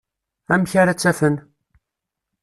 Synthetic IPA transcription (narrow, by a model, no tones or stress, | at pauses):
æmçaɾæt͡sːæfən